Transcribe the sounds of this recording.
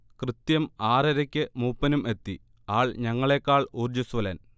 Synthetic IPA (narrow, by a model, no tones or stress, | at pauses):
krɨt̪jɐmaːrɐɾɐkʲːɨmuːpːɐnume̞t̪ːi | aːɭɲɐŋːɐɭeːkːaːɭuːrd͡ʑɐsʋɐlɐn